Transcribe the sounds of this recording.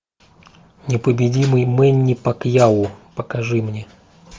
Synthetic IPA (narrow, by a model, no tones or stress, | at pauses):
nʲɪpəbʲɪdʲimɨjmɛnʲːɪpɐkjaʊpəkɐʐɨmnʲe